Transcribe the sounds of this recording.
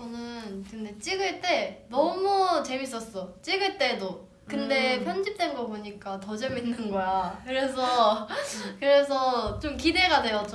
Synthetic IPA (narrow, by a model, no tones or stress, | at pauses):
t͡ɕʌnɯnkɯnde̞t͡ɕ͈iɡɯɭt͈e̞nʌmut͡ɕe̞mis̬͈ʌs͈ʌt͡ɕ͈iɡɯɭt͈e̞do | kɯnde̞pʰjʌnd͡ʑip̚t͈wenɡʌboɲik͈atʌd͡ʑe̞minːɯnɡʌjakɯɾe̞sʰʌ | kɯɾe̞sʰʌt͡ɕomkide̞ɡade̞jʌt͡ɕ͈o